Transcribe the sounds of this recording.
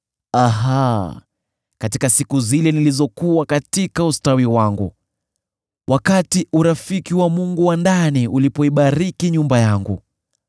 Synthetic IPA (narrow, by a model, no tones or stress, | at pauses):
aɦa | katikasikuzilɛnilizɔkuwakatikaustawiwaŋɡṵ | wʔakatiʔuɾafikiwamuŋɡuwandaniulipɔiɓaɾikiɲumbajaŋɡṵ